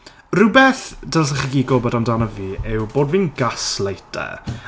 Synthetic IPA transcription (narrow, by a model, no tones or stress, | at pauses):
rɪwbɛθd̥asəχiɡiːɡɔbɔdamdaːnɔviːɪwboːdviːnɡaslˠejtʰɛ̰